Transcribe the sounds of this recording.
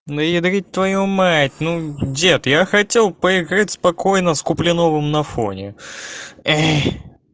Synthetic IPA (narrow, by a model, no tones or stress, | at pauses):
d̪əjɪd̪ɾʲit̚ʲt̪vɐjumatʲnudʲet̪jaxɐtʲe̞lˠpəɪɡɾatʲspɐko̞jnəskʊplʲɪnovɨmnɐfo̰nʲɪ | ɛ